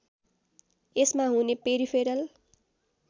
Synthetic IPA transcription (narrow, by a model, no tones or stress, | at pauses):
esmaɦunepeɾipʰeɾʌl